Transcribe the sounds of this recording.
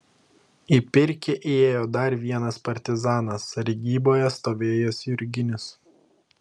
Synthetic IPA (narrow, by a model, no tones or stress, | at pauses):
iːpʲɪɾʲkʲeʔeːjoːd̪ɐɾʋʲiɛnɐspɐɾʲt̪ʲɪzɑːnɐsɐɾʲɪɡʲiːboːjɛst̪oːʋʲeːjoːsʲʊɾʲɡʲɪnʲɪs